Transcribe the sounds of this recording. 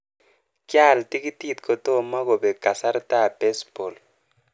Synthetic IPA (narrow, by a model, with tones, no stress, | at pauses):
kja˦˨lti˦ki˦ti˦˨t̚kɔ˨tɔ˦˨ma˦kɔ˨bɛ˨ɡa˨sa˦ɾta˦˨b̥ɛ˦sb̥ɔ˨l